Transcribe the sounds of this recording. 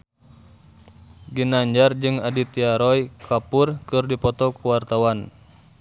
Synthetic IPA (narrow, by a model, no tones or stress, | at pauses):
ɡinaɲd͡ʒard͡ʒɨŋadit̪iaɾɔjkʰapurkɨrdipɔt̪ɔkuwart̪awan